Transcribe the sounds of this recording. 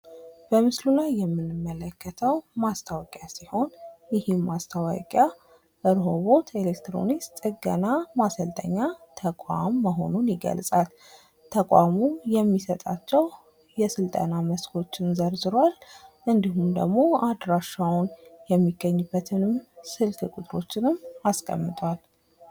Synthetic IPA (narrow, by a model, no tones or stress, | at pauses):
b̥əmɨslulajːɛmːɨnɨmːələkːət̪ʰəwmast̪ʰawkʼjasiho̞njɪhemːast̪ʰawa̰kʼja | ʔɨɾɦoβo̞t̪ʰe̞lekt̪ɾo̞̰nist̪ʼɨɡə̰namasəlt̪ʰʼə̰ɲːat̪ʰəkʼamːəɦo̞̰nunjɪɡə̰lsʼal | t̪ʰəkʼʷamujɛmːisət̪ʼat͡ʃːɛw | jɛsɨlt̪ʼənaməskʰo̞t͡ʃːɪnzəɾzɨɾwalʔɨnd̪ihumd̪ə̰ɡmo̞ad̪ɾaʃːawʊnjɛmːiɡːəɲːɨbːət̪ʰɨnɨmsɨlt̪ʰɨkʼʊt̪ʼɾo̞t͡ʃːɪnɨmaskʼə̰mːɨt̪ʼwal